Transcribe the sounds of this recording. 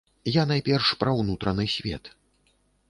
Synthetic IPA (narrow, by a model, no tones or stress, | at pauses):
janajpʲɛrʂpɾɐwnut̪ɾɐnɨsʲvʲɛ̰t̪